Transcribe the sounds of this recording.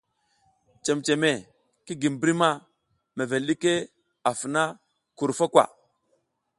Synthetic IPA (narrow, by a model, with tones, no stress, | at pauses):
t͡ʃe˨mt͡ʃe˨me˨ | ki˦ɡi˨m˨bɾi˦ma˦ | me˨ve˨lɗi˦ke˦ | a˨fna˦ | ku˨ɾfa˦kwa̰˨